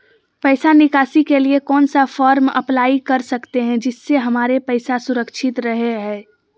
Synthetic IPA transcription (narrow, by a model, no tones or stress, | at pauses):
pəɪsanɪkaːsikeliekɔːnsafʰɔːɾmə̰plaːikɐɾsəkt̪eɦɛ̃d͡ʒɪsːeɦɐmaːɾepəɪsasʊɾəkʃʰɪt̪ɾəɦeɦɛ̃ː